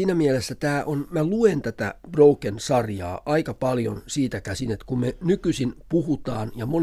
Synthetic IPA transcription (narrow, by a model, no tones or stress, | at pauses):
iːnæmielesːæt̪æːʔonmæluent̪æt̪æ̰b̥roukensɑrjɑ̰ːʔɑikɑpɑljo̰nsiːt̪ækæsinet̪kummenykysinpuhut̪ɑːnjɑmon